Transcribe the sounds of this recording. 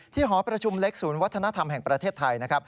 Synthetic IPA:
t̪ʰiː˥˩ɦɔː˩˦pɾa˧t͡ɕʰu˧mle˦˥k̚suː˩˦nwa˦˥t̪ʰːa˧na˦˥t̪ʰa˧mɦɛː˨˩ŋpɾa˧t̪ʰeː˥˩t̪ʰːa˧jna˦˥kʰɾa˦˥p̚

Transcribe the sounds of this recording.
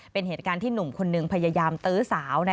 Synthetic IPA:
pe˧nɦeː˨˩t̪̚kaː˧nt̪ʰiː˥˩nu˨˩mkʰo˧nːɯ˧ŋpʰa˧jaː˧jaː˧mt̪ɯː˦˥saː˩˦wna˦˥

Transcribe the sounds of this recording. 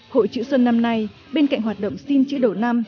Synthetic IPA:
ho̰˧˨jt͡ɕɨ̰˧˥swə˧nːa˧mna˧j | ɓe˧nka̰˧˨jŋ̟ɦwaː˨˩t̚ɗə̰˧˨wŋ͡msi˧nt͡ɕɨ̰˧˥ɗo˧˨˩na˧m

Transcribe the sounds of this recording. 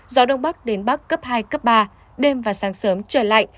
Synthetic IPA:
zɔ˨˦ɗə˧wŋ͡mɓa˦˥k̚ɗe˨˦nɓa˦˥kːə˦˥p̚haː˧jkə˦˥p̚ɓaː˧ | ɗe˧mvaː˨˩saː˨˦ŋsəː˨˦mt͡ɕəː˧˩la̰ː˧˨jʔ

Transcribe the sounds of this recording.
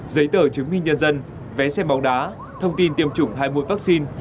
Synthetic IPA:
zə˨˦jt̪əː˧˩t͡ɕɨ˨˦ŋmï˧ŋ̟ɲə˧nzə˧n | vɛ˨˦sɛ˧mɓa˨˦wŋ͡mɗaː˨˦ | t̪ʰə˧wŋ͡mt̪i˧nt̪i˧˩əmt͡ɕʊ˨˧˩ŋ͡mɦaː˧jmṵ˧˨jvaː˦˥k̚si˧n

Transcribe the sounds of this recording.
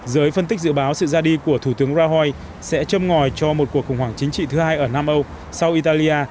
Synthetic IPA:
zəː˨˦jfə˧nt̪i˦˥zɨ̰˧˥˨ɓaː˨˦wsɨ̰˧˨zaː˧ɗi˧ku˧˩ət̪ʰu˧˩t̪ɨ˨˦əŋzaː˧ɦwa˧j | sɛ̰˧˥t͡ɕə˧mŋɔ˨˩jt͡ɕɔ˧mo˨˩t̚ku˨˩əkxʊ˨˩ŋ͡mwaː˧˩ŋt͡ɕï˨˦ŋ̟t͡ɕḭ˧˨t̪ʰɨ˨˦haː˧jʔəː˧˩naː˧mʔə˧w | sa˧wʔi˧t̪aː˧li˧ʔaː˧

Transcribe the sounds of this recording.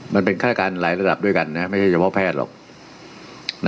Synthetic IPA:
ma˧npe˧nkʰaː˥˩˧kaː˧nlaː˩˦jɾa˧da˨˩p̚du˥˩jka˧nːa˦˥ma˥˩jt͡ɕʰa˥˩jt͡ɕʰa˧pʰɔ˦˥pʰɛː˥˩t̪̚lɔ̰˨˩k̚ | n˥

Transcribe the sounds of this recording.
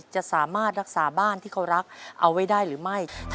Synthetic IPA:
t͡ɕa˨˩ʔsaː˩˦maː˥˩t̪̚ɾa˦˥k̚saː˩˦baː˥˩nt̪ʰiː˥˩kʰa˧˥wɾa˦˥k̚ʔa˧wːa˥˩jdaː˥˩jɾɯː˩˦ma˥˩jt̪ʰ

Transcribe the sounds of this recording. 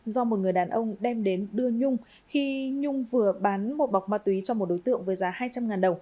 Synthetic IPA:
zɔ˧mo˨˩t̚ŋɨ˨˩əjɗaː˨˩nʔə˧wŋ͡mɗɛ˧mɗe˨˦nɗɨ˧əɲʊ˧ŋ͡m | xi˧ɲʊ˧ŋ͡mvɨ˨˩əɓaː˨˦nmo˨˩t̚ɓa˨˩wk͡p̚maː˧˩t̪wi˨˦t͡ɕɔ˧ŋ͡mmo˨˩t̚ɗo˨˦jt̪ɨ̰˧˨əŋvəː˨˦jzaː˨˦haː˧jt͡ɕa˧mŋaː˨˩nɗə˨˩w

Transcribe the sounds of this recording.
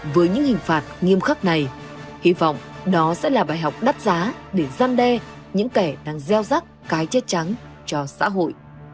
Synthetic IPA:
vɨː˨˦jɲɨ̰˧˥ŋhï˨˩ŋ̟faː˨˩t̚ŋi˧əmxa˦˥k̚na˨˩j | hi˧vɔ̰˧˨wŋ͡mɗɔ˨˦sɛ̰˧˥laː˨˩ɓaː˨˩jɦɔ˨˩wk͡p̚ɗa˦˥t̚zaː˨˦ɗe˧˩zaː˧mɗɛ˧ | ɲɨ̰˧˥ŋkɛ˧˩ɗaː˧ŋzɛ˧wza˦˥t̚kaː˨˦jt͡ɕɛ˦˥t̚t͡ɕa˨˦ŋ | t͡ɕɔ˧sa̰ː˧˥ɦo̰˧˨jʔ

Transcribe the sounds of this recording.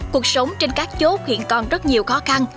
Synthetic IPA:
ku˨˩ək̚sə˨˦wŋ͡mt͡ɕe˧nkaː˦˥k̚t͡ɕo˦˥t̚hḭ˧˨ənkɔ˨˩nzə˦˥t̚ɲi˨˩əwxɔ˨˦xa˧n

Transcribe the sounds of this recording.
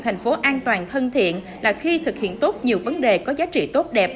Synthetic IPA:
t̪ʰa˨˩ŋ̟fo˨˦ʔaː˧nt̪waː˨˩nt̪ʰə˧nt̪ʰḭ˧˨ən | laː˨˩xi˧t̪ʰɨ˨˩k̚hḭ˧˨ənt̪o˦˥t̚ɲi˨˩əwvə˨˦nɗe˨˩kɔ˨˦zaː˨˦t͡ɕḭ˧˨t̪o˦˥t̚ɗɛ˨˩p̚

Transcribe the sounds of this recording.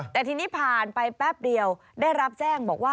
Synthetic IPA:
t̪ɛː˨˩t̪ʰiː˧niː˦˥pʰaː˨˩npa˧jpɛː˥˩p̚di˧əw | daː˥˩jɾa˦˥p̚t͡ɕɛː˥˩ŋbɔː˨˩k̚waː˥˩

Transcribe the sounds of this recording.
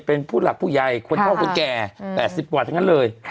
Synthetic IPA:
pe˧npʰuː˥˩la˨˩k̚pʰuː˥˩ja˧jkʰo˧nkʰaː˥˩wkʰo˧nkɛː˨˩pɛː˨˩t̪̚si˨˩p̚kwt̪ʰa˦˥˧ŋa˥˨lɤː˧j

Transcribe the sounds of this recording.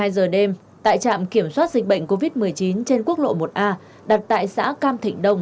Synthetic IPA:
aː˧jzəː˨˩ɗe˧m | t̪a̰ː˧˨jt͡ɕa̰ː˧˨mki˧˩əmswaː˦˥t̚zi˨˩k̟̚ɓə̰˧˨jŋ̟ko˧vi˦˥t̚mɨ˨˩əjt͡ɕi˨˦nt͡ɕe˧nku˦˥ək̚lo̰˧˨mo˨˩t̚ʔaː˧ | ɗa˨˩t̚t̪a̰ː˧˨jsa̰ː˧˥kaː˧mt̪ʰï˧˨˩ŋ̟ɗə˧wŋ͡m

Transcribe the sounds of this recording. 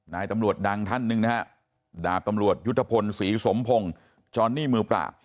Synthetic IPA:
naː˧jt̪a˧mɾu˨˩ət̪̚da˧ŋt̪ʰa˥˩nːɯ˧ŋna˦˥kʰa˦˥ | daː˨˩k̚t̪a˧mɾu˨˩ət̪̚ju˦˥t̪ʰːa˧pʰo˧nsiː˩˦so˩˦mpʰo˧ŋ | t͡ɕɔː˧nːiː˥˩mɯː˧pɾa̰ː˨˩k̚

